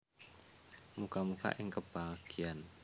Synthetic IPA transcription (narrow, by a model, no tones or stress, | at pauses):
mukamuka̰ʔɪŋkəb̥aɡ̥ian